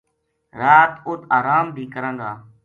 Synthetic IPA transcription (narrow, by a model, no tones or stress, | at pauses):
ɾaːt̪ʊt̪aːɾaːmbʱiːkəɾə̃ŋɡ̪aː